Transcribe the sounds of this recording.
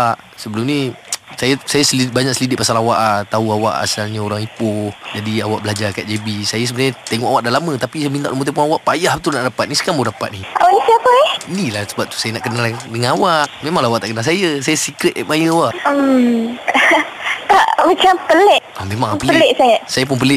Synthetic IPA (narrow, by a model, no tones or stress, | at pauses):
ʔ | səbəlumnisajasajasəlbaɲaʔksəlidɪʔ̚pasalawaʔat̪auawa̰ʔa̰salɲaoɾaŋipʊhd͡ʒadiawaʔbəlad͡ʒakaʔ̪̚d͡ʒebisajas̬əmənsaɲat̪eŋɔ̰ʔawaʔdalamə̃t̪apisajəmint̪aʔlumot̪̬epuhawaʔpajaht̪unaʔdapat̪̚nisə̥kamaudapat̪̚niawait̪iapəɛinilahsəbap̚t̪u̥sajanaʔkənaldəŋanawaʔmẽmaŋlaawaʔt̪aʔkənalsajasajasikɾɛt̪̚ɛʔmajəawaʔəm | t̪aʔmat͡ʃampəlɛʔamẽmãŋpələlɛʔsajasajap̬ʊnpəlɪʔ